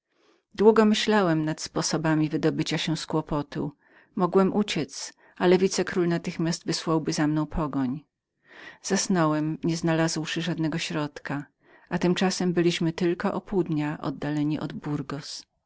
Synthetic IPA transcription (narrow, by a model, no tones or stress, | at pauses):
d̪wuɡɔmɘɕlawɛmnat̪spɔsɔbamʲivɘd̪ɔbɘt͡ɕaɕɛskwɔpɔt̪ṵ | mɔɡwɛmʔut͡ɕɛt̪s | alɛvʲit̪sɛkɾulnat̪ɘxmʲjast̪vɘswawbɘzamnɔ̃w̃pʰɔɡɔɲ | z̥asnɔwɛmɲɛznalazwʂɘʐad̪nɛɡɔɕɾɔt̪ka | ʔat̪ɘmt͡ʂasɛmbɘlʲiɕmɘt̪ɘlkɔʔɔpuud̪ɲaʔɔ̰d̪ːalɛɲiʔɔ̰d̪buɾɡɔs